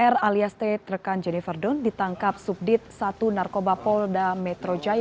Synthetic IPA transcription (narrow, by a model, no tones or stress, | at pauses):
ɛraliast̪ɛt̪rəkand͡ʒɛnifərdɔndit̪aŋkap̚sup̚dɪt̪̚sat̪unarkobapɔldamɛt̪ɾod͡ʒa